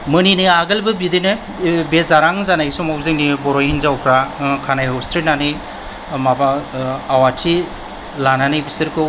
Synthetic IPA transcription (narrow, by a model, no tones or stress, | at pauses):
mɯninɯaɡɯlbɯbidinɯ | bezaɾaŋzanaisɔmawzɯŋnibɔɾɔjhinzawkʰɾakʰanajɔstɾelnanɯ | mabaːwatʰi | lananibisɯɾkɯ